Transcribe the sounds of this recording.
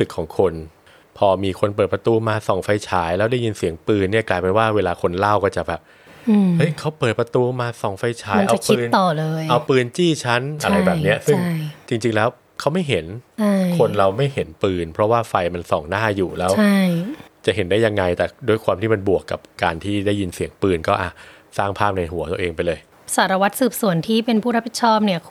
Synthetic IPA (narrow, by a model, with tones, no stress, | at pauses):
sɯ˨˩kʰːɔː˩˦ŋkʰo˧n | pʰɔː˧miː˧kʰo˧np̬əɤː˨˩t̪̚pɾa˧t̪uː˧maː˧sɔː˨˩ŋfa˧jt͡ɕʰaː˩˦˥jlɛː˦˥wdaː˥˩ji˧nsi˨˩˦əŋpɯː˧nːi˥˩ɐklaː˧jpe˧nwaː˥˩weː˧laː˧kʰo˧nla˥˩wkɔː˥˩t͡ɕa˨˩bɛː˨˩p̚ː | hɤ˦˥jkʰa˦˥wpɤː˨˩t̪̚pɾa˧t̪uː˧maː˧sɔ˨˩ŋfa˧jt͡ɕʰaː˦˥jʔa˧˨wkʰːnt̪ɔː˨˩lɤː˧jʔa˧wpɯː˧nt͡ɕiː˥˩t͡ɕʰa˦˥nʔa˧ɾa˧jbɛː˨p̚ni˦˥ɐsɯ˥a˩ŋ˥˩jt͡ɕi˧ŋt͡ɕi˧ŋlɛː˦˥w | kʰa˦˥wma˥˩jɦe˨˩˦nt͡ɕʰa˥˩jkʰo˧nɾa˧wma˥˩jhe˩˦npɯː˧npʰɾɔ˦˥waː˥˩fa˧jma˧nsɔ̰˨˩˦ŋnaː˥˩juː˨˩lɛː˦wʰa˥˩jt͡ɕa˨˩ʔɦe˨˩˦ndaː˥˩jːa˧ŋːa˧jt̪ɛː˨˩doː˧jkʰwaː˧mt̪ʰiː˥˩ma˧nbu˨˩əkːa˨˩p̚kaː˧nt̪ʰiː˥˩da˥˩ji˧nsi˨˩˦əŋpɯː˧nkɔː˥˩ʔaː˧˩ | saː˥˩ŋpʰaː˥˩p̚na˧jɦu˩˦t̪u˧ʔeː˧ŋpa˧jlɤː˧j | saː˩˦ɾa˧wa˦˥t̪̚sɯː˨˩p̚su˨˩˦ənt̪ʰiː˥˩pe˧npʰuː˥˩ɾa˦˥pʰi˨˩t̪̚t͡ɕʰɔː˥˩p̚ni˥˩ɐ